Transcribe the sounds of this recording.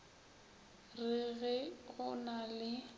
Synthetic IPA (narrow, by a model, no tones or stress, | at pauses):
rɪɣɛɣʊnalɪ